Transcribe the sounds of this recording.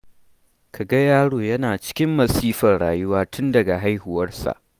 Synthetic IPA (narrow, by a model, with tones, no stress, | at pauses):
kʰa˨ɡa˦jaː˦ɽoː˨jɐ˦naː˨t͡ʃɪ̥˦kʲɪ˦mːɐ˨siː˦ɸɐ˨rɽaː˨jʊ˦waː˦tʰʊ˦ndɐ˨ɡa˨ɦa˦jhʊ˨wɐ˦rsa̰˨ʔ